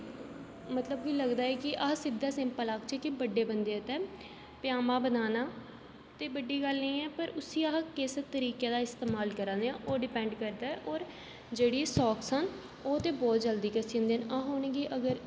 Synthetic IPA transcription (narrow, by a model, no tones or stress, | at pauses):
mət̪ləb̚koiːləɡd̪aːɛːkɪʔaːsɪd̪ːaːsɪ̃mpəlaːkt͡ʃəkɪbəɖːeːbənd̪eːt̪ɛ̃ː | pjaːmãːbənaːnaː | t̪eːbəɖːiːɡəlnəĩːɛːpəɾʊsiːaːkɪst̪əɾiːkeːd̪aːɪst̪eːmaːlkəɾãːnd̪eãːʔoːɖɪpɛ̃ːɳɖkəɾd̪aːɛːʔɔːɾ | d͡ʒeːɽiːsɔːksən | oːt̪eːbɔːt̪̚d͡ʒəld̪iːkəsiːə̃ːnd̪eːnaːɦoːneɡiʔəɡəɾ